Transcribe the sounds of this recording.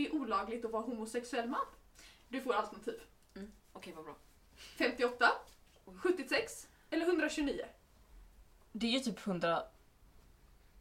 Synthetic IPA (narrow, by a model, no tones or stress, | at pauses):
ɛæɾʔuːlɑːɡlɪɡt̪ɔvɑːɾaɦuːmʊsɛksɵɛlːmand̪ɵfoːɾalt̪əɳat̪ʰiːv | ɔkʰɛvabɾɑː | fɛmt̪ɪɔt̪ːa | ɧɵt̪ːɪsɛks | ɛləɾɦɵnd̪ɾaɕɵniːʊ̰ | d̪ɛæɾjɵt̪ʰyːphɵnd̪ɾa